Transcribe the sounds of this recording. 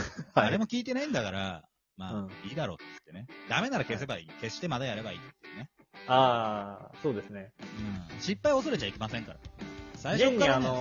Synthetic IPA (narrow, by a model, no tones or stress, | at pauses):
haaɾe̞mo̞kʲiːt̪̬e̞naĩnd̪akaɾa̰ | mãːiːd̪aɾo̞̰ːt̪ːeɯ̥t̪ːe̞ned̪ame̞naɾake̞se̞baiːke̞ɕt̪e̞mad̪ajaɾe̞baḭːt̪ot̪ːeɯ̟ne | aːso̞ːd̪esɨneɯ̟̃ɴɕipːaio̞so̞ɾe̞t͡ɕaikʲe̞masẽ̞ŋkaɾa̰saioɲkɲːaiano